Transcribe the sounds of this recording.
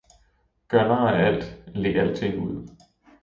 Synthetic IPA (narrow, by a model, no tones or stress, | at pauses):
ɡ̥ɶɐnɑːææl̰d̥le̝æl̰t͡sʰe̝ŋ̰uð̰ˠ